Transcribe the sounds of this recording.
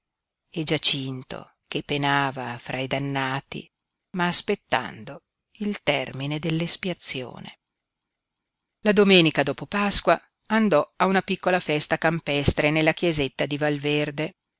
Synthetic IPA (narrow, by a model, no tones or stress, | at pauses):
ed͡ʒat͡ʃint̪o̰ | k̟epːenaːvafɾʔajd̪anːaːt̪ḭ | maːspet̪ːa̰nd̪o | ilt̪ɛrmined̪elːespiat̪sːjo̰ːnḛ | lad̪omeːnikad̪oːpopaskwa | and̪ɔaunapikːolafɛst̪akampɛst̪ɾenelːakjezet̪ːad̪ivalverd̪e